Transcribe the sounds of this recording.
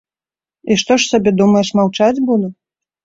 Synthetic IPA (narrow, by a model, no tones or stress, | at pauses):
iʂt̪ɔʂsʲabʲɛd̪umɐjɛʂmawt͡ʂad͡zʲbulˠɔ